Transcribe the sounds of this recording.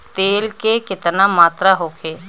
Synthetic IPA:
t̪eːlkekɪt̪namaːt̪ɾaɦoːkʰeː

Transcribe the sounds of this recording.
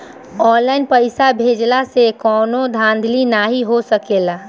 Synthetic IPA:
ɔːnlaːɪnpəɪsabʱeːd͡ʒlasekɔːnod̪ʱãːnd̪ʱlinaɦiɦosəkeːla

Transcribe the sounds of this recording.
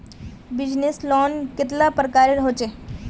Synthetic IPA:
bɪd͡ʒneslɔnkɪt̪lapɾəkaːɾeɾɦot͡ʃe

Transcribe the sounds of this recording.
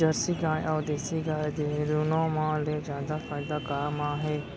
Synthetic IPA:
d͡ʒəɾsiːɡaːeʔɔːd̪eːsiːɡaːed̪eːɾuːnõːmãːleːzjaːd̪afaːɪd̪aːkaːmaːɦeː

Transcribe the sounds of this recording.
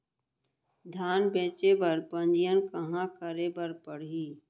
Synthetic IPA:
d̪ʱaːnbẽːt͡ʃebəɾpə̃nd͡ʒɪjənkəɦãkəɾebəɾpəɽ̤iː

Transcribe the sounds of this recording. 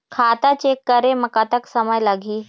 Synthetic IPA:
kʰaːt̪at͡ɕeːkːɐɾemɐkat̪əksɐməjlɐɡʱiː

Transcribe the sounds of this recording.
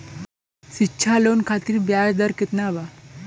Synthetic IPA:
sitːɕʰalonkʰat̪iːɾbjajd̪əɾket̪naʋa

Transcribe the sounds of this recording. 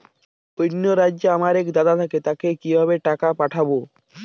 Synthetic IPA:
ojnːoɾad͡ʑːeamaɾɛkd̪ad̪at̪ʰaket̪akekibʱaβeʈakapaʈʰabo

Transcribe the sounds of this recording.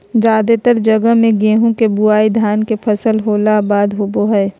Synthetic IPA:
d͡ʒaːd̪et̪əɾd͡ʒəɡəɦmẽɡẽːɦũkebʊaːid̪ʱjaːnkepʰəsəlɦoːlabaːd̪ɦoːboɦɛː

